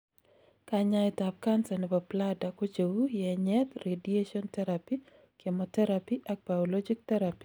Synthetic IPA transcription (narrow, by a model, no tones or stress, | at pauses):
kaɲaɛt̪ap̚kansanɛpapladakot͡ʃewujɛɲɛt̪redieʃɔnt̪ɛɾapi | kɛmɔt̪ɛɾapiʔak̚b̥aɔlɔd͡ʒik̚t̪ɛɾapi̥